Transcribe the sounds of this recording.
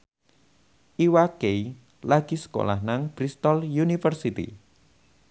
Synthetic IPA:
ʔiwakej | laɡ̥isə̥ko̰lahnaŋb̥ɾist̪ɔljunifərsit̪ḭ

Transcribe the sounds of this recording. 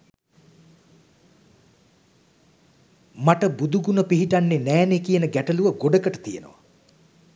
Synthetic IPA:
maʈəbud̪uɡunəpiɦiʈanːenæːnekijənəɡæʈəluʋəɡoɖəkəʈə̥t̪ijḛno̰ʋa̰

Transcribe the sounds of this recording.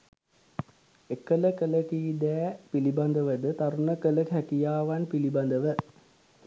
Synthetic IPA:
ekːələkələkiːd̪ɛːpiliband̪əʋəd̪ət̪aɾunəkələkɦækijaːʋanpiliband̪əʋə

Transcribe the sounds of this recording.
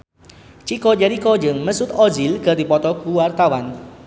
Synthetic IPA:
t͡ʃikɔd͡ʒaɾikɔd͡ʒəŋməsʊt̪ɔd͡ʒilkərd̪ipɔt̪ɔkuwart̪awan

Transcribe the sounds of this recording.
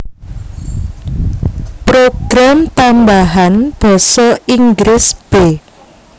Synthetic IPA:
pɾoɡ̥ɾamt̪ambaɦanb̥ɔ̤sɔiŋɡɾɪsb̥e

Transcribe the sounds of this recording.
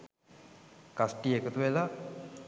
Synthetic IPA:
kasʈiekət̪uʋela

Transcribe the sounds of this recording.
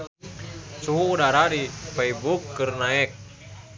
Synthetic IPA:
suɦuːdaɾadifeibukːɨrnaɛk̚

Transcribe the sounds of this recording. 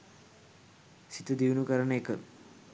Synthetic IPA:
sit̪ud̪iʋnukɐɾɐɳeːkːɨ̰

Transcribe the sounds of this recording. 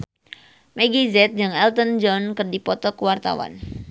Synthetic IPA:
mɛɡizɛt̪̚d͡ʒɨŋɛlt̪ənd͡ʒɔnkɨrdipɔt̪ɔkəwart̪a̰wa̰n

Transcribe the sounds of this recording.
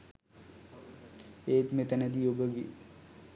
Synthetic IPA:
eːt̪met̪ənəd̪iobəɡi

